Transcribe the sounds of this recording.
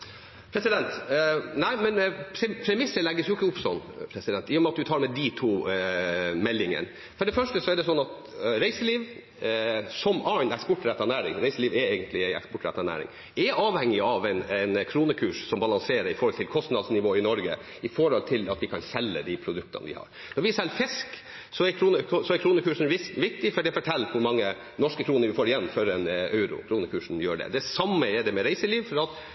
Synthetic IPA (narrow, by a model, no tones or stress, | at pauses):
pʰɾɛsɪd̪ɛnt̪næɪmɛnpʰɛpʰɾɛmɪsːəlæɡːəsjʊɪkːəʊpsɔnːpʰɾɛsɪd̪ɛnt̪ɪːjɔmɛɑt̪̚d̪ʉt̪ʰɑːɾmɛd̪it̪ʰuː | mɛlːɪŋə̰n | fɔɖɛfœʂʈəsɔɛɖɛsɔnːɑt̪ | ɾæɪsəliːʋ | sɔmɑɪnɛkspɔʈːɾɛt̪ːɑnæːɾɪ̰ŋɾæɪsəliːʋɛɛɪɡənt̪lɪæɪɛ̰kspɔʈːɾæt̪ːɑnæ̰ːɾɪ̰ŋ | ɛɑːʋhɛŋːɪɑʋɛɪnɛɪnkʰɾuːnəkʰʉːʂsɔmbɑlɑŋseːɾəɾɪfɔɾhɔlt̪ɪlkʰɔst̪nɑd̪snɪʋoːɪnɔɾɡə | ɪfɔɾɔlt̪ʰɪlɑt̪ʋɪkʰɑnsɛlːəd̪ɪpʰɾʊd̪ʉk̚t̪ɑ̰n̰ʋɪ̰hɑ̰ɾ | nɔɾʋɪsɛlːfɪsk | sɔɛɾkʰɾuːnəsɔɛɾkʰɾuːnəkʉːʂn̩ɪʋɪk̚t̪ɪfɔɖɛfɔʈʰɛlʋʊɾmɑŋːə | nɔʂkəkʰɾuːnəɾʋɪfoːɖɪjɛnːfœɾɛnɑʉɾʊ̰kʰɾuːnəkʰʉːʂɳ̩jøːɖɛ̰d̪ɛsɑmːəɛɖɛmɛɾæɪsəliːʋfɔɾɑt̪